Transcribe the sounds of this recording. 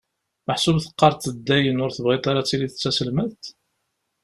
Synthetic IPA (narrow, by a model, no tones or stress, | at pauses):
məħsubθə̥qːɑɾˤt̪ːəd̪ːæjənʊɾθəbʁit̪ˤaɾat͡sːiliθət͡sːæsəlməðt̪